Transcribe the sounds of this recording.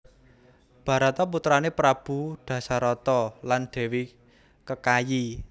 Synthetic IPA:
b̥ä̤ɾat̪ɔput̪ɾanepɾab̥ṳɖ̪̥ä̤saɾɔt̪ɔland̪̥e̤wi | kəkaji

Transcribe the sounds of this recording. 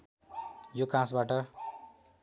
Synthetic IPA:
jokãsbaʈʌ

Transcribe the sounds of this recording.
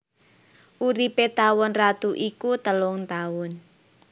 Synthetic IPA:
ʔuɾipet̪awɔnrat̪uʔikut̪əlʊŋt̪aʊn

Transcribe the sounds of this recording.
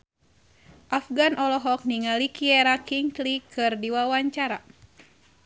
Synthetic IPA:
ʔafɡanʔɔlɔɦɔk̚niŋalikiɛɾakiŋt̪likʰɨrdiwawaɲt͡ʃaɾa

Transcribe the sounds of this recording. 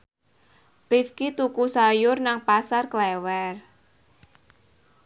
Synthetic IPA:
t̪ifkit̪ukusajʊrnaŋpasarklɛwɛr

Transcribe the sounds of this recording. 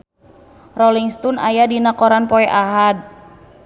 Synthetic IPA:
rɔliŋst̪una̰jadinakɔɾanpɔɛʔaɦad̚

